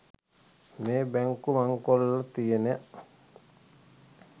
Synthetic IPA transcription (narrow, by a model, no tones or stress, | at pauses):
meːbɛŋkumaŋkolːat̪ijeneʔ